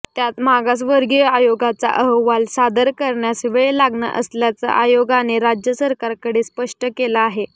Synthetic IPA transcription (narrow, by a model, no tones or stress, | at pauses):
t̪jat̪maɡas̬ʋəɾɡəajoɡat͡sa̰ʔəɦəʋːalsad̪əɾkəɾɳjasiʋəjelaɡɳə̰ʔə̰sljat͡sa̰ʔajoɡaneɾad͡ʑjəsəɾkaɾkəɽeːspəʂʈəkelaːɦe